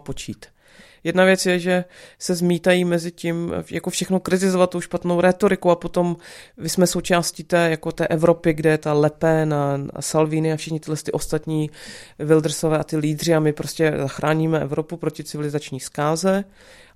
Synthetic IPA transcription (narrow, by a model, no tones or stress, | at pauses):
pot͡ʃiːt̪ | jɛdnavjɛt͡sjɛʒɛsɛzmiːt̪ajiːmɛzɪcimjako̞fʃɛxnokɾɪt̪ɪzovat̪t̪owʃpat̪nowɾɛt̪o̞ɾɪkowapo̞t̪o̞mmɪsmɛso̞wt͡ʃaːsciːt̪ɛːjakot̪ɛːʔɛvɾo̞pɪɡdɛjɛt̪alɛpɛnasalviːnɪafʃɪxɲɪt̪ɪdlɛst̪ɪʔo̞st̪at̪ɲiːvɪld̪ɾ̩sovɛːat̪ɪliːdr̝ɪamɪpɾoscɛzaxɾaːɲiːmɛʔɛ̰vɾopupɾocɪt͡sɪvɪlɪzat͡ʃɲiːskaːzɛ